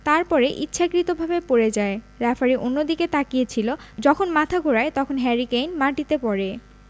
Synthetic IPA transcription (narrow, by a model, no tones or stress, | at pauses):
t̪aɾpɔɾeʔitːɕʰakɾit̪obʱabepoɾed͡ʑae | ɾɛfaɾiʔonːod̪iket̪akijet͡ɕʰilod͡ʑɔkʰonmat̪ʰaɡʱoɾaet̪ɔkʰonɦɛɾikejnmaʈit̪epɔɾe